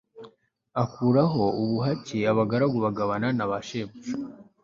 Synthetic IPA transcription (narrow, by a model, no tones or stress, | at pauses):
akuɾaɦo̞uβuɦaciaβaɡaɾaɡuβaɡaβananaβaʃemuʃ